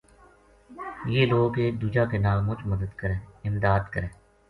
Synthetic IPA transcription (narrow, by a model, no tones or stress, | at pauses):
jeːloːɡeːd̪uːd͡ʒakenaːlmʊt͡ʃməd̪əd̪kəɾẽːɪmd̪aːd̪kəɾẽː